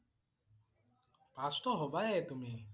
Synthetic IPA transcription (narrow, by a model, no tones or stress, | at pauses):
pasʈɔɦobaet̪umi